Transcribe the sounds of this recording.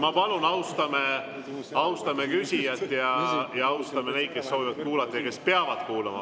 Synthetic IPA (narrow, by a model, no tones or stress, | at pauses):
mɑpɑlunɑwst̪ɑme | ɑwst̪ɑmekysʲijɑt̪ːˑjɑjɑɑwst̪ɑmene̞jd̪̥̚ke̞sːo̞ːvivɑd̪̥̚kuːlɑt̪ːˑɑjɑke̞speɑvɑd̪̥kuːlɑmɑ̰